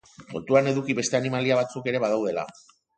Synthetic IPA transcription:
bo̞̰t̪uane̞ðukiβe̞st̪e̞animaliaβ̞at͡suke̞ɾe̞βaðawðe̞la̰

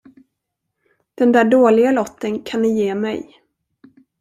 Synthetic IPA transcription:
d̪̥ɛnd̪æːɖoːlɪɡalɔt̪ːənkʰanːɛjeːmɛ̰j

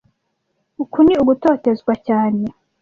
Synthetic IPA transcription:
ukuniuɡuto̞ːte̞zɡwacaːne̞

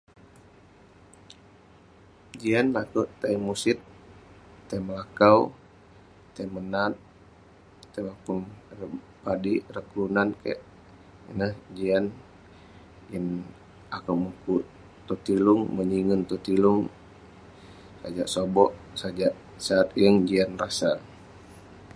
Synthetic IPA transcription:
d͡ʒianlakuʔt̪ajmusɪt̪̚ː | ajməlakaw | t̪ajmənat̪ | t̪ajwakuŋrə | padirəkɾunanka̰ʔ | nəhd͡ʒian | jəŋ | akamukuʔ | t̪ot̪ilʊŋməɲiŋənt̪ot̪ilʊŋ | sad͡ʒaʔsobɔʔsad͡ʒaʔ | saːt̪jəŋd͡ʒianrasal

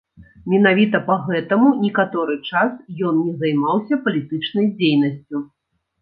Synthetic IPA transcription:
mʲin̪avʲit̪ɐpaɣɛt̪ɐmunʲikat̪ɔɾɨt͡ʂasjɔnnʲɛzɐjmawsʲɐpɐlʲit̪ɨt͡ʂnɐjd͡zʲejnɐsʲt͡sʲu

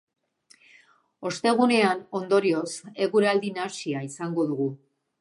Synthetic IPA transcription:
o̞st̪e̞ɣ̞une̞ano̞nd̪o̞ɾio̞se̞ɣuɾald̪inasiaisaŋɡo̞ðuɣu

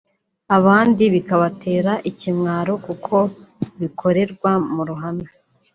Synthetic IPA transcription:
aβaːndiβikaβatʰe̞ːɾaʔicimŋaːɾo̞kukʰo̞βikʰo̞ɾe̞ɾɡwamuɾuɦana

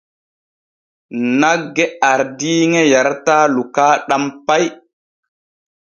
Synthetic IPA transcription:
naɡːeaɾdiŋejaɾtaːlukaɗampaj

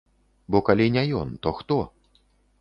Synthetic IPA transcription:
bɔkalʲinʲɛjɔ̰nt̪ɔxt̪ɔ

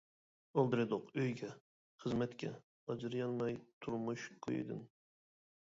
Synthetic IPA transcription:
olˠd̪ɨɾɨd̪ʊqøjɡʲɛ | χəzmɛt̪kʲʰɛ | ɑd͡ʒɨɾjɑnlˠɑjt̪ʰuɾmuʃkʰo̰jɪ̰d̪ɨ̰n

